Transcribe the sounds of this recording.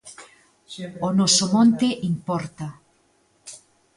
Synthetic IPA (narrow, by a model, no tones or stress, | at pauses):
onosomõnt̪eʔimpoɾt̪a